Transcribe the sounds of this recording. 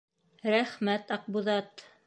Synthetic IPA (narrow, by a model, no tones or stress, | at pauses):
ɾæχmæt̪ɑq̚buðɑt̪